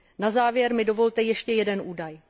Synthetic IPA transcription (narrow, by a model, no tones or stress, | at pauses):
nazaːvjɛɾmɪdo̞vo̞lt̪ɛjɛʃcɛjɛdɛnʔuːdaj